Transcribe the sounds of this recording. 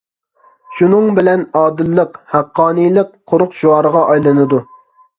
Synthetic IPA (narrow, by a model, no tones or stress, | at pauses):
ʃunɨŋbɪlɛnɑːd̪ɨlˠːəqhæqːɑːnijlˠɨqqʰːoɾʊqʃuɑːɾəʁɑʔɑjlˠɨnɨd̪u